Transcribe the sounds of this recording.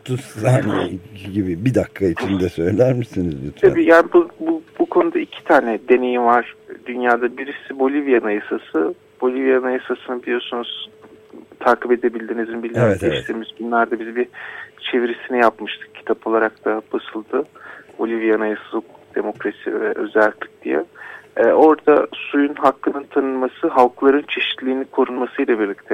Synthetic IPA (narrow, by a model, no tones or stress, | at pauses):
t̪ʰuanḭɟibibid̪akʰːait͡ʃind̪ɛsø̞jlʲæɾmisinizbyt̪ʰabiːjaːnibububukʰo̞nud̪aicʰi̥t̪ʰaːnɛd̪e̞ne̞jimvaɾ̥d̪ynjaːd̪abiɾisibo̞lʲivijanɯjasasɯ | b̥o̞lʲivijanɯjasasɯnɯbilʲijo̞sunuz̥ | t̪ʰaːkipe̞d̪e̞bilʲd̪inizinbilʲɛɛt̪ɛʃt̪ʰiːmizbunlˠaɾd̪abizibit͡ʃʰe̞viɾisinijapmɯʃt̪ʰɯ̥k̚cʰːi̥t̪ʰapʰo̞lˠaɾak̚t̪ʰabasɯlˠd̪ɯbo̞lʲivijanajasɯzˠɯk̚d̪̥e̞mo̞kɾasḭvɛʔø̞zælʲt̪lʲi̥c̚d̪̥ḭjɛ̰ | o̞ɾd̪asujunɦaklˠɯnɯnt̪ʰanɯnmasɯɦalˠklˠaɾɯnt͡ʃʰe̞ʃi̥t̪lʲiːnikʰo̞ɾunmasɯjlˠabiɾlʲic̚t̪ʰɛ